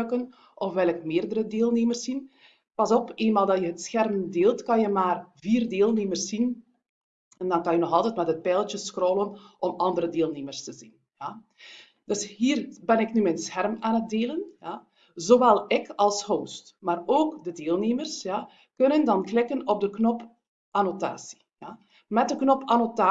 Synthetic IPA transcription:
kən | ʔɔfʋɛlˠɪkmeːrdəɾədeːlˠneːmərsːin | pɑzɔpeːnmaːlˠdɑjəɦətsxɛrmdeːlˠtkɑnjəmaːrviːrdeːlˠneːmərsːin | ɛndɑnkɑnjənɔxɑlˠtɛtmɛtət̚pɛːlˠtəsxroːlənʔɔmɑndəɾədeːlˠneːmərstəzin | ja | d̥ɵsɦiːrbɛnɪknymensxɛrmaːnət̚deːlənja | zoːʋɛlˠɪkɑlˠshoːstmaːroːkdədeːlˠneːmərsja | kɵnəndɑnklɪkənɔb̚dəknɔp | ʔanota̰ːsi̥ | ja | mɛt̚dəknɔpanotaː

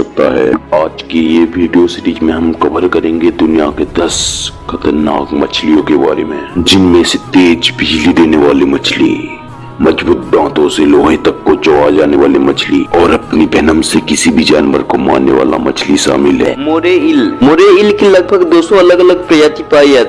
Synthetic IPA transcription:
sɐk̚t̪a̰ɦɛ̰ːaːd͡ʒkejeʋiːɖijosɪʈiːkmẽɦɐmkɐbəɾkɐɾẽːŋɡed̪ʊnija̰ked̪ɐskʰɐt̪əɾna̰ːkmɐt͡ʃʰlijõkeba̰ːɾḛmḛ̃d͡ʒɪnmẽset̪eːd͡ʒbʱɪd͡ʒlid̪eːneʋaːlimɐt͡ʃʰlḭ | mɐd͡ʒbuːt̪̚ɖãːt̪õseloːɦẽt̪ɐkːot͡ʃoad͡ʒaːneʋaːlimɐt͡ʃʰliɔːɾɐpnibʱɛɦnəmsekɪsibʱid͡ʒaːnʋə̰ɾkoma̰ːnːḛʋa̰ːla̰mɐ̰t͡ʃʰliʃa̰ːmɪlɦɛ̰ːmoːɾeɪlmoːɾeɪlkilɐɡ̚bʱəɡd̪oːsoɐləɡɐləɡpɾɐjaːt̪ipaːiɛ

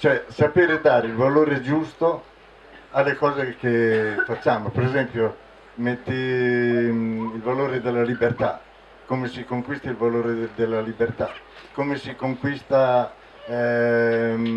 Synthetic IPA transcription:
t͡ʃoɛsapeːɾed̪aːɾeilvaloːɾed͡ʒust̪o | alːekɔːzekefat͡ʃːaːmopeɾezɛmpjo | met̪ːi | ilvaloːɾed̪elːalibert̪a | kːomesikoŋkwist̪ailvaloːɾed̪elːalibert̪a | kːomesikoŋkwist̪a | ɛ

